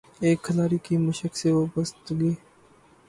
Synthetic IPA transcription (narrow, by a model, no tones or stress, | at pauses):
eːkʰːɐlaːɾikimɐʃəkseʋoːbəst̪ɡiː